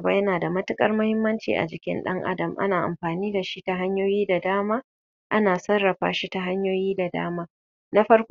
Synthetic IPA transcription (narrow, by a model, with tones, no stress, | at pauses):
baː˦jɐ˦naː˨da˨mɐ˦tɪ˦kʼɐ̰˦rmʊ˦hɪ˦mːɐ˦nt͡ʃḭː˨ʔa̰˨d͡ʒɪ˨kʲɪ̰˦nɗɐ̰˦ŋʔa̰˦dɐ˨mʔa̰˦naː˨ʔa̰˨mɸaː˨niː˦da˨ʃi˦ta˨ɦa˦ɲjoː˦jiː˦da˨daː˦maː˦ | ʔa˦naː˨sɐ˦rːɐ˨ɸa̰ː˨ʃi˦ta˨ɦa˦ɲjoː˦jiː˦da˨da̰ː˦maː˦ | na˦ɸɐ˦rkʷ